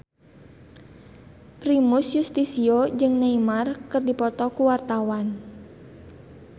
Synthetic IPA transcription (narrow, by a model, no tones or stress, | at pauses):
pɾimusjust̪isiod͡ʒɨŋnaimarkɨrdipɔt̪ɔkuwart̪awan